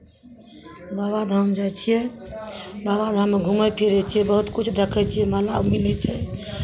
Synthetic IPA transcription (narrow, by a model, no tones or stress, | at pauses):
babad̪ʱamd͡ʒat͡ʃʰijɛ | baβad̪ʱameɡʱuməpʰiɾɛt͡ʃʰijɛbəɦut̪kut͡ʃʰd̪ekʰɛt͡ʃʰijɛmalabmilɛt͡ʃʰɛ